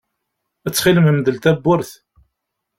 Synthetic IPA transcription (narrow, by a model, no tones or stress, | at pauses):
æt͡sːχiləməmðəlt̪æbːʊɾθ